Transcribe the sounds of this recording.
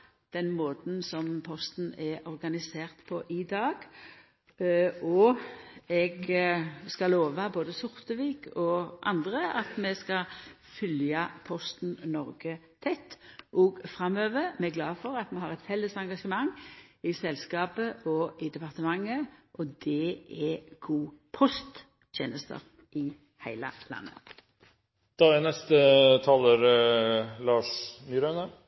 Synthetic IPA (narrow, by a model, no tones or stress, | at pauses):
d̪̥ɛnmoːt̪n̩sɔmpʰɔst̪n̩ɛʔɔʁɡɑnɪseːʁt̪pʰɔʔɪd̪ɑːɡ | ɔ | ɛɡ | skɑloːʋɑboːd̪əsʊʁt̪əʋiːkʰɔʔɑ̰nd̪ʁəɑt̪mɛskɑ | fʏljɑpʰɔst̪n̩nɔʁɡə | t̪ʰɛt̪ːʔɔɡfɾɑmøːʋəmɛɡlɑːfɔʁɑt̪mɛhɑʁɛt̪fɛlːəsɑŋɡɑʂəmɑŋːɪsɛlskɑːpəʔɔɪd̪ɛpɑʁt̪əmɑŋːəʔɔd̪ɛɛɡ̥uːpʰɔst̪ | t̪ʰjeːnəst̪ə̰ʁ | ʔɪ | hæɪlə̰lɑ̰nːə̰ | d̪̥ɑːænɛst̪ət̪ʰɑːləɾ | lɑːʂmyːɾœnə